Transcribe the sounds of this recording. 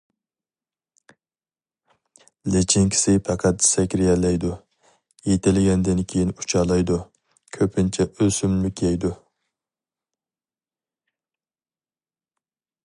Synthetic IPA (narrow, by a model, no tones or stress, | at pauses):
let͡ʃʰɪŋkʲʰɪ̥sɪpʰɛqʰæt̪̚ːsɛkʲɾɪjɛlɛjd̪u | jet̪ɪlɪɡʲɛnd̪ɪnkʲʰejinu̥t͡ʃʰɑlˠɑjd̪u | kʲʰøpʰɪnt͡ʃʰɛʔøsymmykʲʰijɛjd̪u